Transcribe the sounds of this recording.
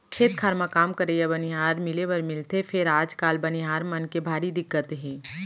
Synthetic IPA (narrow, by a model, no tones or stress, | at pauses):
kʰeːt̪̚kʰaːɾmakaːmkɐɾeabɐniɦaːɾmɪleʋɐɾmɪlt̪efʰɪɾaːd͡ʒkaːlbɐniɦaːɾmɐnkebʱaːɾid̪ɪkːət̪ɦɛ̃ː